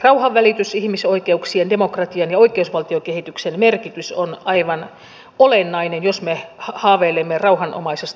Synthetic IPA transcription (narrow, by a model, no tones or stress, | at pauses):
rɑuhɑʋʋælit̪ysihmisoikeuksiendemokrɑt̪iɑnjɑoikˑeusʋɑlt̪iokehit̪yksenmerkit̪ysonɑiʋɑn | olenːɑinenjosmehɑhɑːʋeːlemːerɑuhɑnʔo̰mɑisest̪